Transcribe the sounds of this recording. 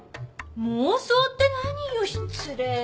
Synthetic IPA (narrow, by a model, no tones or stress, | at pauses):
mosot̪ːenaɲijoɕint͡sʰɨɾe